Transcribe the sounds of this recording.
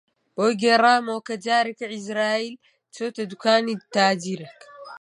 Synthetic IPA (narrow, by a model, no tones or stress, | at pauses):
boɡeɾaːmokɐd͡ʒaːɾikaʕizɾaːiːl | t͡ʃot̪ɐd̪ukaːnit̪aːd͡ʒiɾɐk